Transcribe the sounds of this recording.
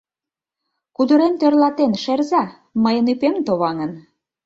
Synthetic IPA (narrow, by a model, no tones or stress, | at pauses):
kud̪ə̆ɾemt̪ørlɑt̪enʃerzæ | məjənypemt̪oβɑŋə̆n